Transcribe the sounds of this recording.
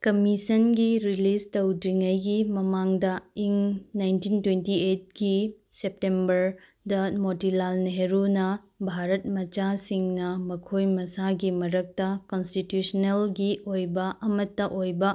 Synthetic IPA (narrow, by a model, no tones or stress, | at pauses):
kɐmisɐnɡiɾilistɐwdiŋɐjɡimɐmaŋdɐiŋnajntintwentiet̚ɡisep̚tembɐɾ | dɐmotilalneɦeɾunɐ | bʱaɾɐt̚mɐt͡ʃasiŋnɐmɐkʰojmɐsaɡimɐɾɐk̚tɐkonstitjusnelɡiojbɐʔɐmɐtːɐʔojbɐ